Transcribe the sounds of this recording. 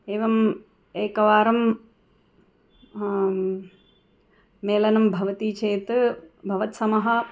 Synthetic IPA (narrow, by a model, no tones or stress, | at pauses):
eːʋɐm | eːkɐʋaːɾɐm | eːlɐnɐmbʱɐʋɐt̪iːt͡ʃeːt̪ɨbʱɐʋɐt̪sɐmɐɦɐ̆